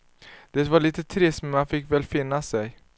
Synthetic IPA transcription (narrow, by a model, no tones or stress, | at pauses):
d̪̥ɛːt̪vaɭiːt̪ət̪ʰɾɪst̪mɛnmanfɪkːvɛlfɪnːasɛj